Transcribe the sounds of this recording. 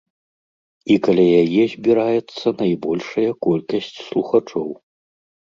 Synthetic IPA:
ikɐlʲajajɛzʲbʲiɾajɛt̪sːɐnɐjbɔlʲʂɐjɐkɔlʲkɐsʲt͡sʲslˠuxat͡ʂɔw

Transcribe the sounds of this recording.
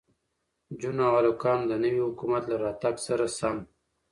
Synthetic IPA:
d͡ʒunawalokɑːmd̪ənəwihʊkumat̪laɾɑt̪aɡsaɾasam

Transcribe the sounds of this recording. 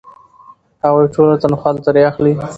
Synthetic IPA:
hawajʈolat̪anxalt̪aɾeaxli

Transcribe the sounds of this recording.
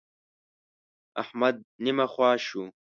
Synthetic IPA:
a̰ħmad̪̚nimaχʷaːʃu

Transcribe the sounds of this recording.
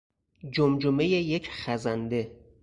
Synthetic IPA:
d͡ʒomd͡ʒomejejecʰχæzænd̪e

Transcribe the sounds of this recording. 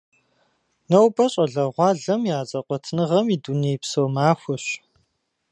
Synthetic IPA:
nɐwbɐɕʼɐɮɐʁʷɑːɮɐmjaːt͡sʼɐqʷɔtʰnɨʁɐmiːduneːjpsowmaːxʷʊɕ

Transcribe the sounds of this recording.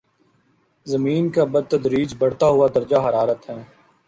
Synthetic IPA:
zɐmiːnkabəd̪̚t̪ɐd̪ɾiːd͡ʒbɐɽ̤t̪aɦʊad̪ɐɾd͡ʒaɦɐɾaːɾət̪ɦɛ̃ː

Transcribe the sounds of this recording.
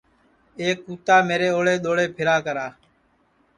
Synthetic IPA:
eːkːuːt̪aːmeːɾeːoːɽeːɗ̪oːɽeːpʰɪɾaːkəɾaː

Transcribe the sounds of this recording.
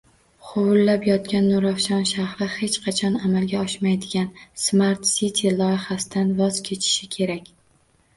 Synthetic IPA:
qʰʊwʊlːapjɒt̪kʲanːʊɾafʃɒnʃahɾɪhe̞t͡ʃqʰɑt͡ʃʰɒnamalɡʲaɒʃmajd̪ɪɡʲansmaɾt̪sit̪ʲʰilˠɒjɪχasɪd̪anvɒz̥kʲʰe̞t͡ʃʰɪ̥ʃɪkʲʰe̞ɾakʲ

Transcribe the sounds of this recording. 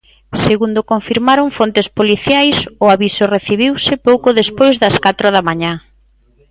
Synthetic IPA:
seɣund̪ʊkoɱfiɾmaɾoŋfont̪espoliθjajsʊaβisʊreθiβiwsɪpowkʊðespojzðɐskat̪ɾʊð̞amaɲa

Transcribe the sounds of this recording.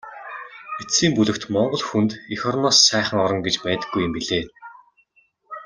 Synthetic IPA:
esiːmpuɮɘ̆kt̪mɔɴɢɞ̆ɮxunt̪ixɔrmɔsːæːχə̆ŋɔɾɞ̆ŋɡet͡ɕpæːt̪ə̆ɡːujə̆mpiɮeː

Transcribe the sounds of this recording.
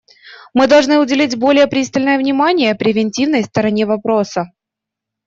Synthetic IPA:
mɨd̪ɐlˠʐnɨʊdʲɪlʲitʲbo̞lʲɪjəpɾʲist̪əlʲnəjəvnʲɪmanʲɪjəpɾʲɪvʲɪnʲtʲivnəjst̪əɾɐnʲe̞vɐpɾo̞sə

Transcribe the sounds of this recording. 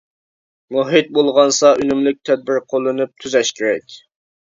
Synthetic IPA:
moɦɪt̪̚bolˠʁɑnsɑʔynymlɪk̚ʲt̪ʰɛd̪̚bɪɾqʰolˠːɨnɨp̚t̪ʰyzɛʃkʲʰeɾɛkʲ

